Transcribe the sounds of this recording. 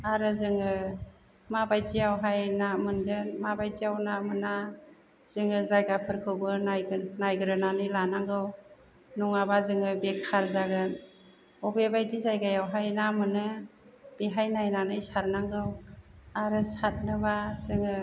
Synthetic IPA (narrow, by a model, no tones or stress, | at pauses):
aɾɯzɯŋɯ | mabajtijawɦajnamɯndɯnmabajtijawnamɯna | z̥ɯŋɯzajɡapʰɯɾkʰɯbɯnajnajɡɯɾɯnanɯjlanaŋɡɯw | nɔŋabazɯŋɯbekʰaɾzaɡɯn | ɔbebajdizajɡajawɦajnamɯnɯb̥eɦajnajnanɯjsaɾnaŋɡɯwaɾɯsat̚nɯbazɯŋɯ